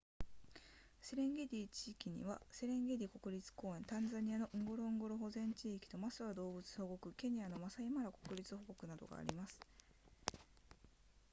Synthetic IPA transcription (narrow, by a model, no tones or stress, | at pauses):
se̞ɾẽ̞ŋɡe̞d̪ʲiːt͡ɕiːkʲiɲ̟ḭβase̞ɾẽ̞ŋɡed̪ʲiko̞kɯ̟ɾʲit͡sɨ̥ko̞ːẽ̞nt̪ãnd͡zaɲ̟ianoʔɯ̟̃ŋɡo̞ɾo̞ɯ̃ŋɡo̞ɾo̞ɦo̞zẽ̞ɲ̟t͡ɕiːkʲi̥t̪o̞masɨβad̪o̞ːbɯ̟t͡sɨ̥ho̞ɡo̞kɯ̟ke̞ɲ̟ijano̞masaimaɾako̞kɯ̟ɾʲit͡sɨho̞ɡo̞kɯ̟nad̪o̞̰ɡa̰ːɾʲḭmasɨ̥